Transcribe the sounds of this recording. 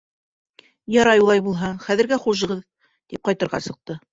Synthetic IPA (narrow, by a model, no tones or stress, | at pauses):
jɑɾɑjulˠɑjbulˠɦɑχæðɘ̆ɾɡæχuʒɤ̆ʁɤð | t̪ip̚qɑjt̪ɤ̆ɾʁɑ̰sɤ̆q̚t̪ɤ